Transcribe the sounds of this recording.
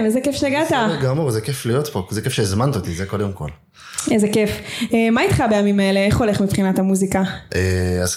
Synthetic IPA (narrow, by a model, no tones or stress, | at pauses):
mezekefʃeaɡat̪aɡamuʁzekeflijot̪pozekefʃezmant̪ot̪izeko̞d̪emko̞̰l | ezekefemait̪χabejamimaele̞eχole̞χmipχinat̪amuzikaʔeaz